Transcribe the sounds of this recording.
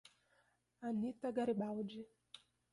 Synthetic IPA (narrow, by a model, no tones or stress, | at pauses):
anitaɡaɾiɓawud͡ʒi